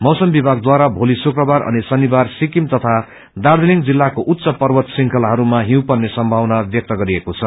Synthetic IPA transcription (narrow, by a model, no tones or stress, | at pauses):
mʌwsʌmbibʱaɡ̚d̪waɾabʱolisukrʌbarʔʌ̰nisʌnːibarsikimt̪ʌt̪ʰa | d̪ard̪iliŋɡd͡zilːakoʔut̪ːsʌpʌrwʌt̪siŋkʰʌlɦʌɾumaɦĩw̃pʌrnesʌmbʱawnabjʌk̚t̪ʌɡʌɾiekot͡sʰʌ